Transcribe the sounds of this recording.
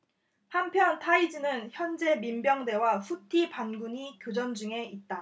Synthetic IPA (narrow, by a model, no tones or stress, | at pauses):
hampʰjʌntʰaid͡ʑinɯnçjʌnd͡ʑe̞mimbjʌŋde̞wasʰutʰipanɡuɲikjod͡ʑʌnd͡ʑuŋe̞it̚t͈a